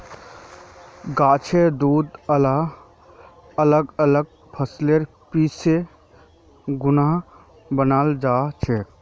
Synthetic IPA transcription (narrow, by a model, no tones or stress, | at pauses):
ɡaːt͡ʃʰed̪uːd̪əla | ələɡələɡ̚ | pʰəsleɾ | piːse | ɡʊnaɦ | bənaːld͡ʒaːt͡ʃʰe